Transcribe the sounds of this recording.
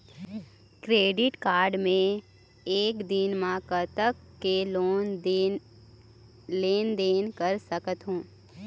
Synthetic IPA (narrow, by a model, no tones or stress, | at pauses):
kɾeːɖɪʈkaːɾɖmẽ | eːkd̪ɪnmãkət̪əkːeloːn | leːnd̪eːnkəɾsəkət̪ɦũː